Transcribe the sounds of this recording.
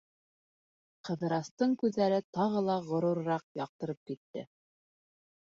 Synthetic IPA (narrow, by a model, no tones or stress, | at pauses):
qɤ̆ðɤ̆ɾɑst̪ɤɴkʉðːæɾɘt̪ɑʁɤlˠɑʁŏɾuɾɾɑq̚jɑq̚t̪ɤ̆ɾɤp̚kit̪ːɘ̰